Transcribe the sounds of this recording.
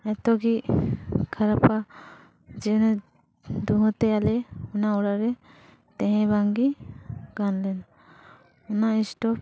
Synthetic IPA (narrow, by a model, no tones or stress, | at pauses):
ɛt̪ɔɡi | kʰaɾapa | d͡ʒin | d̪uɦɔ̃t̪ɛalɛɔnaɔɽaɾɛ | t̪ɛɦɛ̃baŋɡiɡanlɛn | ɔnaisʈɔp